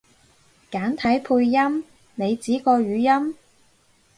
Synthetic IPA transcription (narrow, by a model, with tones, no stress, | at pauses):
kaː˨˥nt̪ʰɐ˨˥jpʰuː˧jːɐ˥m | ne˨˧jt͡siː˨˥kɔː˧ɥyː˨˧jɐ˥m